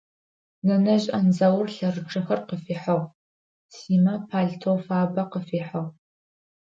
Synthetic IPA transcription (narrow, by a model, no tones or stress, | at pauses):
nɐnɐʑʼʔɐnzɐwrɬɐrɨʈ͡ʂʰɨxɐrqəfiːħɐʁ | siːmɐpʰaːɮtʰoːfaːbɐqəfiːħɐʁ